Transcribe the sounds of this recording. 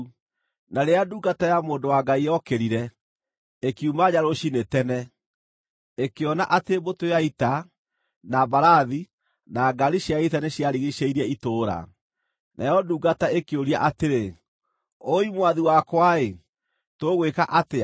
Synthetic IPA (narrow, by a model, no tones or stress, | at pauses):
naɾeaduɡatajamoːndowaɡaiɔkeɾiɾɛ | ekiumaɲaɾoɕinetɛnɛ | ekeɔnaʔatebotoaita | nabaɾaði | naɡaɾiɕjaitaneɕjaɾiɣiʃeiɾiɛitoːɾa̰ | nʔa̰jɔduːɡataekeoɾia̰ʔateɾe | oimwaðiwakwae | toɣwekaʔate